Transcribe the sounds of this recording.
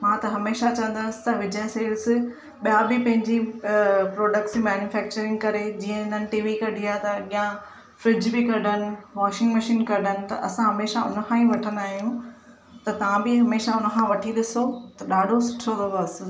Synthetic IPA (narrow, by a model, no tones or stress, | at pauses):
mãːt̪ɐɦɐmeːʃat͡ɕɐʋə̃n̆d̪əsɪ̥̆t̪ɐʋɪd͡ʑəɦseːls | ɓijabɪpɐ̃ɦɪ̃ɲd͡ʑipɾoːɖək̚ʈsimɛːnjufɛːk̚t͡ɕəɾɪ̃ŋɡkɐɾed͡ʑiːə̃ɪnənɪ̆ʈiːʋikɐɖʱiat̪ɐɠijã | fɾɪd͡ʑbɪkɐɖənɪ̆ʋaːʃɪ̃ŋɡmɐʃiːnkɐɖ̤ʱənɪ̆t̪ɐ̰ʔɐsãɦɐmeːʃaʊ̰nəkʰãːĩʋɐʈʰə̃nd̪aːɦijũ | t̪ɐt̪ɐʋãbɪɦɐmeːʃaʊnəkʰãʋɐʈʰiɗɪsot̪ɐɗaːɖʱosʊ̥ʈʰod̪ɐbɐsɪ̆